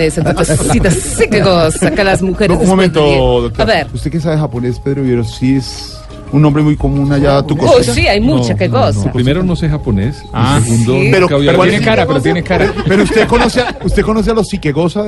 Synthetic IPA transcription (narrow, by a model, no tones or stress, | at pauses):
eset̪koskosit̪asːikeɣosakelazmuxeɾounmmomẽnt̪oðok̚t̪oaɾβeɾust̪e̞kes̬aβexaponespeðɾoeɾosies | unːõmbɾemujkomũnaʝat̪ukot̪asiajmut͡ʃakeɣosuapɾimeɾonosexaponesaeɣund̪opeɾoaiwaenekaɾapeɾot̪jenekaɾpeɾoust̪ekonoseaust̪ekonos̬ealosikeɣosa